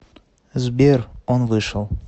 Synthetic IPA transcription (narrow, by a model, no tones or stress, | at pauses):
zbʲeronvɨʃəlˠ